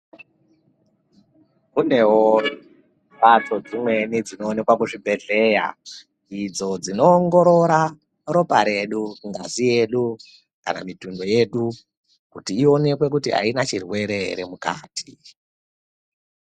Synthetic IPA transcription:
kune̞wo | pat͡so̞d͡zimwe̞nid͡zino̞ːne̞kwakuʐibʱe̞ɮe̞ːja̰ | id͡zo̞d͡zino̞ːŋɡo̞ɾo̞ɾa | ro̞paɾe̞ɗuŋɡazije̞ɗu | ka̰na̰mitundo̞je̞ːɗu | kutiːo̞ne̞kwe̞k̬utḭɦa̰inat͡ʃirwe̞ɾe̞ɾemuka̰ːtʰi̥

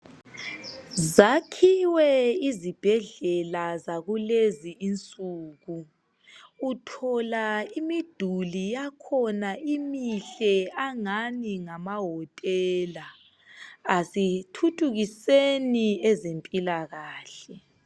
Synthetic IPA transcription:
zakʰiwɛizib̥ʱɛɮɛlazaɣuleziint͡sʼuːɣu | utʰɔlaimid̥ʱulijakʰɔnaimiɬɛaŋaniŋamaɦɔtʼɛːlaː | sitʰutʰʼuɣiseniɛzempʼilaɣaːɬɛ

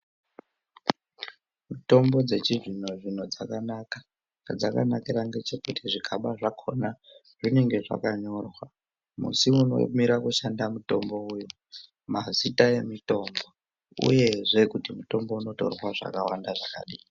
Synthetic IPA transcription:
muto̞mbo̞d͡ze̞t͡ʃiʐin̤oʐin̤o̞d͡zakanakḁ | ŋad͡zakanakiɾaŋɡe̞t͡ʃe̞kutʰiʐikʰaɓaʐakʰo̞na | ʐine̞ŋɡe̞ʐa̰kaɲo̞rwa | mṵsiuno̞̰miɾakuʃandamuto̞mbo̞ujo | mazitaje̞mito̞mbo̞ | ṵje̞ʐe̞kutimuto̞mbo̞uno̞to̞̰rwaʐa̰kawandaʐaka̰ɗiː

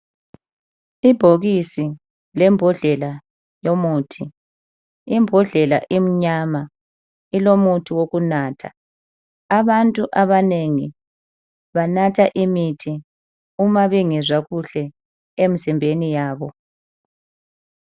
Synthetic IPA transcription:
ib̥ʱoɣisi | lɛmbʱɔɮɛla | jomuːtʰi | imbʱɔɮɛlaʔim̩ɲama | ilomutʰiwoɣunaːtʰa̰ː | βantʼuʔaβaneŋi | βanatʰaʔimitʰi | umaβiŋɛzwaɣuɬɛ | em̩simbʱenijaːβɔ

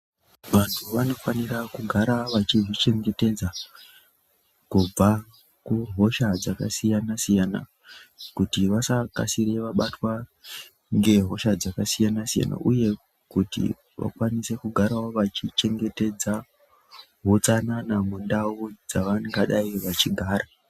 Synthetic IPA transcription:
ʋantʰuʋano̞fanirakuɡʱaɾaʋat͡ʃiʐit͡ʃe̞ŋɡe̞te̞d͡za | kub͡va | kuɦo̞ʃad͡zakasijanasijana̰ | kutiʋasaka̰sire̞ʋaɓatwa | ŋɡe̞ɦo̞ʃad͡zakasijanasija̰na̰ʔuje̞ | kutḭ | ʋa̰kwanise̞kuɡʱaɾaoʋat͡ʃit͡ʃe̞ŋɡe̞te̞d͡za | ɦot͡sananamundaud͡zaʋaŋɡaɗaiʋat͡ʃiɡʱaːɾa

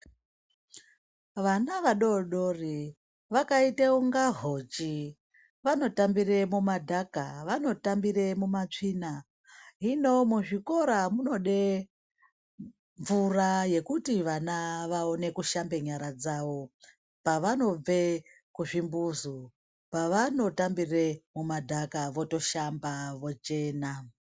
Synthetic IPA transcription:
ʋanaʋaɗo̞ɗo̞ri | ʋakaiteuŋɡaɦot͡ʃi | ʋano̞tambiɾemumadʱakaʋano̞tambiɾemumat͡ʂiːna | ɦino̞muʐiko̞ɾamuno̞ɗe | ɱvuraje̞kutiʋanaʋao̞ne̞kuʃambe̞ɲaɾad͡zaʋo̞ | paʋano̞b͡ve̞ | kuʐimbuzu | paʋano̞tambiremumadʱakaʋo̞to̞ʃambaʋo̞t͡ʃe̞ːna

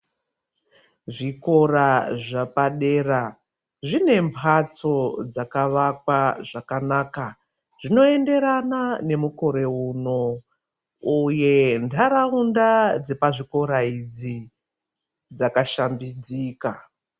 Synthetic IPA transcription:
ʐiko̞raʐapaɗe̞ːra | ʐine̞mpʰat͡so̞d͡zakaʋakwaʐakanaːka | ʐino̞e̞nde̞ɾanane̞muko̞ɾe̞uno̞ | uje̞ndʰʱaɾaundad͡ze̞paʐiko̞ɾaid͡zi | d͡zakaʃambid͡ziːka

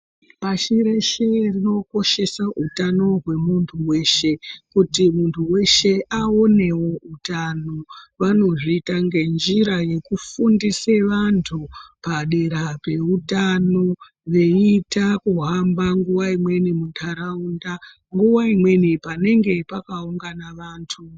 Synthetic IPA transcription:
paʃiɾe̞ʃerino̞ko̞ʃe̞saʔutano̞ɦwe̞muntʰuwe̞ʃe̞kutimuntʰuwe̞ʃe̞ao̞ne̞wo̞utano̞ʋano̞ʐiitaŋɡe̞nd͡ʒiɾaje̞kufundiseʋantʰupaɗe̞ɾape̞utano̞ | ʋe̞itakuɦambaŋɡuwaimwe̞nimuntʰaɾaunda | ŋɡuwaimwe̞nipane̞ŋɡe̞pakauŋɡanaʋaːntʰu

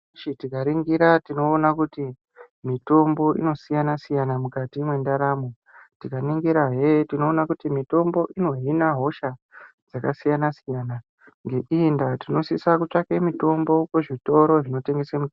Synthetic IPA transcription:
itikaɾiŋɡiɾatino̞ːnakuti | mito̞mbo̞ʔḭno̞sijanasijanamukatimwe̞ndaɾamo | tikaniŋɡiɾaɦetino̞ːnakutimito̞mbo̞ʔino̞ɦinaɦo̞ʃa | d͡zakasijanasijana | ŋɡe̞ʔindatino̞sisakut͡ʃakemito̞mbo̞kweʐito̞ɾo̞ʐino̞te̞ŋɡe̞samu

